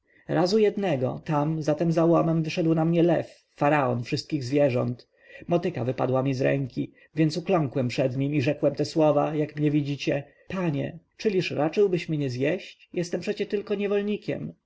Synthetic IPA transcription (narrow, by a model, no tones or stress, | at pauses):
ɾazujɛd̪nɛɡɔ̰t̪amzat̪ɛmzawɔmɛmvɘʂɛd̪wnamɲɛlɛfːaɾaɔnfʂɘst̪̚kʲiɣzvʲjɛʐɔ̰nt̪ | mɔt̪ɘkavɘpa̰d̪wamʲizɾɛ̰ŋkʲi | vʲjɛnsuklɔŋkwɛmpʂɛd̪ɲimiʐɛkwɛmt̪ɛswɔvajakmɲɛvʲid͡ʑit͡ɕɛ | paɲɛ̰ | t͡ʂɘlʲiʂɾat͡ʂɘwbɘɕmɲɛzjɛɕt͡ɕjɛst̪ɛmpʂɛt͡ɕɛt̪ɘlkɔɲɛvɔlɲikʲɛ̰m